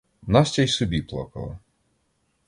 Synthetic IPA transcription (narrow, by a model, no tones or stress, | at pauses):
nɑsʲtʲajsɔbʲiplˠɔ̰kɐ̰lˠɐ̰